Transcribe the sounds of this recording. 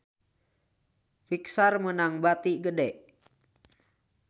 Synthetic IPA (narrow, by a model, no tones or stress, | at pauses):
fiksarmənaŋbat̪iɡədɛʔ